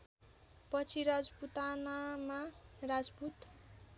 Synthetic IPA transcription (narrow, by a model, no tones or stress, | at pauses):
pʌt͡sʰiɾad͡zbut̪anamarad͡zbut̪